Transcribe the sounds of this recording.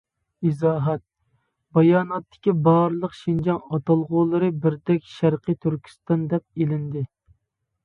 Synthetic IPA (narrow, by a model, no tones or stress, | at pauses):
izɑːɦɛt̪̚ | bɑjɑːnɑt̪ːɪ̥kʲibɑɾlˠəqʃind͡ʒɑŋɑt̪ɑlˠʁʊːlˠɨɾɨbɪɾd̪ɛkʲʃæɾqɨt̪ʰyɾkʲʰi̥st̪ɑnd̪ɛp̚elɪnd̪ɪ